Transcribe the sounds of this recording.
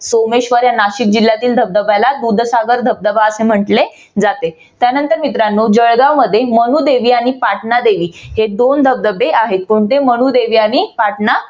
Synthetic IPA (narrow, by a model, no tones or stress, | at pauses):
someɕʋəɾjanaɕik̚d͡ʑilːjat̪iːld̪ʱəb̚d̪əbalad̪ud̪ʱsaɡəɾd̪ʱəb̚d̪əbaəsem̤əʈle | d͡zat̪e | t̪janənt̪əɾmit̪ɾanːud͡ʑəɭɡawməd̪ʱːjemənuːd̪eʋiːaɽ̃ipaʈnad̪eʋiːɦed̪ond̪ʱəb̚d̪əbeaɦet̪̚pəɾunt̪emənud̪eʋiːaɽ̃ipaʈna